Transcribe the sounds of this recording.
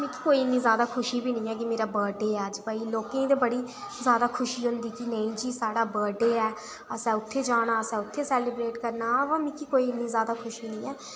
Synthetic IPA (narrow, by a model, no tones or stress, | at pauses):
mɛ̃ːkikoːiːɪnːiːzjaːd̪aːkʰʊʃiːbiːnəɪĩːɛːkɪmeːɾaːbəːɾɖeːɛːəd͡ʒbaːiːloːkẽːd̪eːbəɽiː | zjaːd̪aːkʰʊʃiːɦʊ̃nd̪iːkɪnəĩːd͡ʒiːsaːɽaːbəːɾɖeːɛː | əsɛ̃ːʊt̪ʰːeːd͡ʒaːɽ̃aːəsɛ̃ːʊt̪ʰːeːsɛːlɪbɾeːʈkəɾnaːʋãːmĩːkikoːiːɪnːiːzjaːd̪aːkʰʊʃiːnəĩːɛː